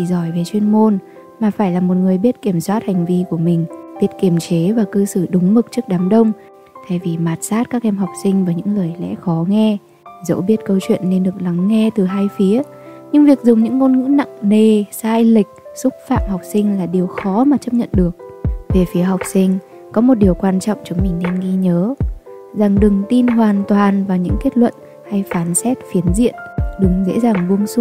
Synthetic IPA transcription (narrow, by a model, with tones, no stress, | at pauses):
i˧˩zɔ˧˩jve˨˩t͡ɕwi˧ənmo˧n | maː˨˩faː˧˩jlaː˨˩mo˨˩t̚ŋɨ˨˩əjɓi˦˥ət̚ki˧˩əmswaː˦˥t̚ha˨˩ŋ̟vi˧ku˧˩əmï˨˩ŋ̟ɓi˦˥ət̚ki˧˩əmt͡ɕe˨˦vaː˨˩kɨ˧sɨ˧˩ɗʊ˨˦ŋ͡mmɨ˨˩k̚t͡ɕɨ˦˥ək̚ɗaː˨˦mɗə˧wŋ͡m | t̪ʰe˨˧˩jvi˨˩maː˨˩t̚saː˦˥t̚kaː˦˥k̚ʔɛ˧mɦa˨˩wk͡p̚sï˧ŋ̟vaː˨˦jɲɨ̰˧˥ŋləː˨˩jlɛ̰˧˥xɔ˨˦ŋɛ˧ | zə̰˧˥wɓi˦˥ət̚kə˧wt͡ɕwḭ˧˨ənːe˧nɗɨ˨˩ək̚la˨˦ŋːɛ˧t̪ɨ˨˩ɦaː˧jfi˨˦ə | ɲɨ˧ŋvi˨˩ək̚zʊ˨˩ŋ͡mɲɨ̰˧˥ŋːo˧nŋɨ̰˧˥na̰˧˨ŋne˨˩saː˧jlï˨˩k̟̚sʊ˦˥k͡p̚fa̰ː˧˨mha˨˩wk͡p̚sï˧ŋ̟laː˨˩ɗi˨˩əwxɔ˨˦maː˨˩t͡ɕə˦˥p̚ɲə̰˧˨nɗɨ˨˩ək̚ve˨˩fi˨˦əha˨˩wk͡p̚sï˧ŋ̟ | kɔ˨˦mo˨˩t̚ɗi˨˩əwkwaː˧nt͡ɕɔ̰˧˨wŋ͡mt͡ɕʊ˨˦ŋ͡mmï˨˩ŋ̟nɛ˧nɣi˧ɲəː˨˦ | za˨˩ŋɗɨ˨˩ŋt̪i˧nɦwaː˨˩nt̪waː˨˩nvaː˨˩ɲɨ̰˧˥ŋke˦˥t̚lwə̰˧˨n | ha˧jfaː˨˦nsɛ˦˥t̚fi˨˦ənzḭ˧˨ənɗɨ˨˩ŋzḛ˧˥zaː˨˩ŋvu˧əŋsʊ˦˥